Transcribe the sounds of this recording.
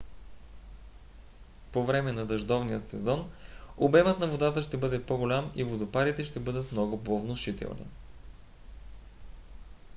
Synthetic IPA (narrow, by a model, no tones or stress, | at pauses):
povɾɛmɛnɐd̪ɐʒd̪ɔvnijəsɛzɔnobɛmət̪nɐvod̪at̪əʃt̪ɛbɤd̪ɛpoɡʊlʲamivod̪opaɾit̪ɛʃt̪ɛbɤd̪ət̪mnɔɡʊpovnoʃit̪ɛ̰lˠnḭ